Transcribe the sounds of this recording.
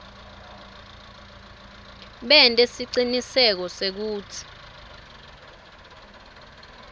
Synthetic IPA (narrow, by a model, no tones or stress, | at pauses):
ɓɛntʼesiǀinisɛk̬ɔsek̬uːtʰi̥